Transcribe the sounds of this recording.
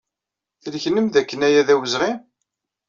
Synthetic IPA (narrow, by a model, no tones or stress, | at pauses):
θəlçnəmðækːənæjæðæwəzʁim